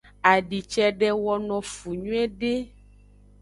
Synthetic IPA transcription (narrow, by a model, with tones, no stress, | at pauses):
a˨ɖi˨t͡ʃɛ˦ɖɛ˦wɔ˦nɔ̃˨fu˨ɲũ˦ɛ˦ɖe˦